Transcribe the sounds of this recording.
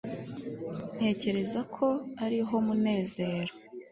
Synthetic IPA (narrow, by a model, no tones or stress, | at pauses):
n̥e̞ːce̞ɾe̞zakʰo̞aɾiɦo̞mune̞ːze̞ːɾo